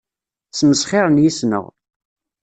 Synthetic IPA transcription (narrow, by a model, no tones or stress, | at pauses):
t͡sːməsχɪɾˤənjisnə̰ʁ